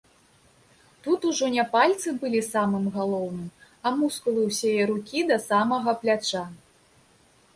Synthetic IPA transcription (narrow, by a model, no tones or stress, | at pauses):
t̪ut̪uʐɔnʲɛpalʲt̪sɨbɨlʲisamɨmɣalˠɔwnɨm | ɐmuskulˠɨwsʲɛjɛɾukʲid̪ɐsamɐɣɐplʲat͡ʂa